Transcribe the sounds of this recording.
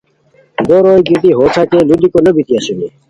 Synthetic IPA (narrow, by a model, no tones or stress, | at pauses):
d̪oɾoːjɡit̪iɦoːt͡sʰakelud̪ikolobit̪iasuni